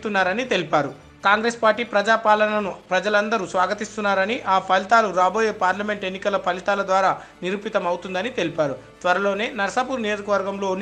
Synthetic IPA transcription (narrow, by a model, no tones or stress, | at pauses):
t̪unːaːɾɐnit̪e̞lipaːɾu | kaːŋɡɾe̞ːspaːɾʈːiːpɾɐd͡ʒaːpaːlɐnɐnupɾɐd͡ʒɐlɐnd̪ɐɾusʋaːɡɐt̪ist̪unːaːɾɐniʔaːpʰɐlit̪aːluɾaːboːjeːpaːɾlɐme̞ɳʈe̞nːikɐlɐpʰɐlit̪aːlɐd̪ʋaːɾaː | niɾupit̪ɐmɐwt̪und̪ɐnit̪e̞lipaːɾu | t̪ʋɐɾɐlo̞ːne̞ːnɐɾɐsɐpuːɾnijoːd͡ʒɐkɐʋɐɾɡɐmlo̞ːn